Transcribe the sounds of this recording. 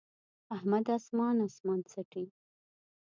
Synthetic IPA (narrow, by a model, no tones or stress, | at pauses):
ahmad̪asmɑnasmɑnt͡saʈi